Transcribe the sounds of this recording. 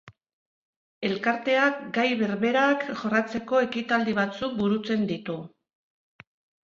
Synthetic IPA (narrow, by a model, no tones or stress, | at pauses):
e̞lkaɾt̪e̞akɡajβe̞ɾβe̞ɾakʝo̞rat͡se̞ko̞e̞kit̪ald̪iβ̞at͡suk̚buɾut͡se̞nd̪it̪u